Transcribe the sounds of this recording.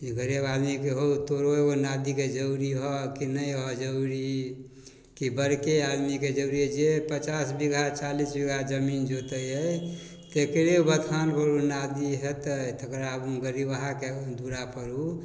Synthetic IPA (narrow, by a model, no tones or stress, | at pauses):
ɡəɾebad̪mikeɦot̪oɾoeonad̪iked͡ʒəuɾiɦɔkinəjɦɔd͡ʒəuɾi | kibəɾkead̪miked͡ʒəuɾid͡ʒepət͡ʃasbiɡʱat͡ʃalisbiɡʱad͡ʒəmind͡ʒot̪əjɦəj | t̪ekɾeubət̪ʰanpəɾunad̪iɦet̪ət̪əkɾaəbuɡəɾibəɦaked̪uɾapəɾu